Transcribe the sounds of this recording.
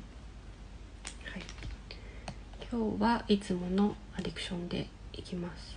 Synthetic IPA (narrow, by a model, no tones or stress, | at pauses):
hai | kʲʰo̞ːβaʔit͡sɨmo̞no̞ | ad̪ikɯ̟̥ɕõ̞nd̪e̞̰ikʲimasɨ̥